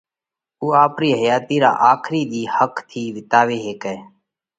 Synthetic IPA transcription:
uːaːpɾiːɦəjaːt̪iːɾa̰ːʔaːkʰɾiːɗ̪iːhəkt̪ʰiːʋɪt̪aːʋeːɦeːkɛeː

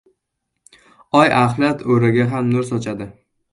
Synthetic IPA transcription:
ɒjʔaχlˠat̪ʰoɾɪɡʲaɦamnʊɾsɒt͡ʃʰad̪ɪ

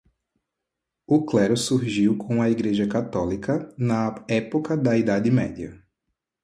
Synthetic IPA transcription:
ʊklɛɾʊsuɾʒiwkʰõɐiɡɾeʒɐkat̪ɔlikɐnɐɛpokɐd̪ɐid̪ad̪ɪmɛ̰d̪jɐ̰

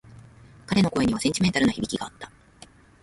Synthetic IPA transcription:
kaɾe̞no̞ko̞eɲ̟iβasẽ̞ɲ̟t͡ɕ̪ʲime̞nt̪aɾɯ̟noçibʲikʲiɡaːt̪ːḁ

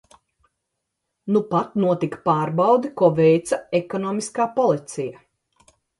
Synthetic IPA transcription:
nupat̪nuɔt̪ikpaːɾbawd̪ikuɔvɛjt̪sɐɛkɔnɔːmiskaːpɔlˠit̪sija

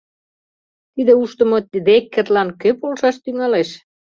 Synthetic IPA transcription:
t̪id̪euʃt̪ə̆mŏt̪d̪ekːĕt̪lɑnkøpolʃɑʃt̪yŋɑleʃ

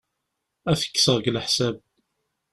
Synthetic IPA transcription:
æθə̥kːsəʁɡlħsæb̚

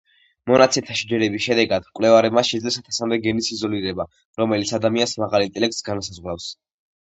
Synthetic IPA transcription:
mɔnat̪sʰɛt̪ʰaʃid͡ʒɛɾɛbisʃɛd̪ɛɡad̪mkʼwlɛvaɾɛbmaʃɛd̪zlɛsat̪ʰasamd̪ɛɡɛnisizɔliɾɛba | ɾɔmɛlit̪sʰad̪amiansmaʁalint̪ʼɛlɛk̚t̪sɡanasazʁwɾafs

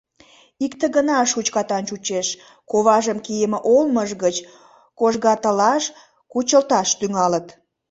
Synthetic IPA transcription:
ikt̪əɣənɑʃut͡ɕkɑt̪ɑnt͡ʃut͡ɕeʃ | koβɑʒəmkijəməʔolməʒɣət͡ɕ | koʒɣɑt̪əlɑʃ | kut͡ɕəlt̪ɑʃt̪yŋɑlət̪

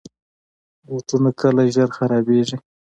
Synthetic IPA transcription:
wot̪unakʰəlaʒəɾxaɾɑbeʐi

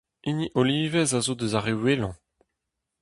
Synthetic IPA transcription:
iniʔoliːvɛzazod̪əzaʁewelɑ̃

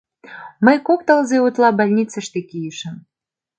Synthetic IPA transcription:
məjkop̚t̪ə̆lzeut̪lɑbɑlʲnʲit͡sə̆ʃt̪ekijəʃə̆m

